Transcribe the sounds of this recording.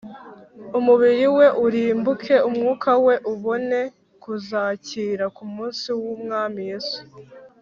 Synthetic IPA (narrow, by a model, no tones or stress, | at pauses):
umuβiɾiwe̞ʔuɾiːmbukʰe̞umŋuːkʰawe̞ʔuβo̞ne̞ | kuzaːciːɾakumuːnsiwumŋaːmije̞ːsu̥